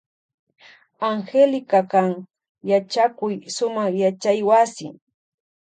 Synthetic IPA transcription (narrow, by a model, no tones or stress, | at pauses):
aŋxelɪkakaŋ | jat͡ʃakʊjsʊmaχjat͡ʃajwasɪ̰